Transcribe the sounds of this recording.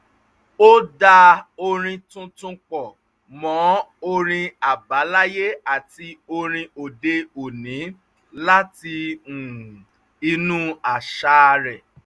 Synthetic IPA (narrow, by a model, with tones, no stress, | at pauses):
o˦da˧o˧ɾ̃ĩ˧tũ˧tũ˧k͡pɔ˨ | mɔ̃˨˦o˧ɾ̃ĩ˧a˨ba˨˦la˦je˦a˨ti˧o˧ɾ̃ĩ˧o˨de˧o˨nĩ˨˦ | la˦ti˧ũ˨ | i˧nũ˦a˨ʃa˧˦ɾɛ˨